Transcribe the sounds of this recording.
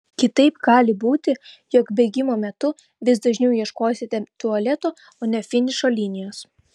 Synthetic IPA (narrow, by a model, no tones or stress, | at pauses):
kʲɪt̪ɐɪpɡɑːlʲɪbuːt̪ʲɪ | jɔkbʲɛɡʲɪmoːmʲɛt̪ʊ | ʋʲɪsd̪ɐʒʲnʲɛʊjiɛʃkoːsʲɪt̪ʲɛt̪ʊɐlʲɛt̪oː | oːnʲɛfʲɪnʲɪʃoːlʲɪnʲɪjoːs